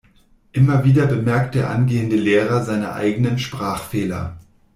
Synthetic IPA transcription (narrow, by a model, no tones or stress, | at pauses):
ʔɪmɐviːdɐbəmɛɐk̚t̚d̥eːɐʔanɡeːəndəleːʁɐzaɪnə̰ʔa̰ɪɡənənʃpʁ̥aːχfeːlɐ̰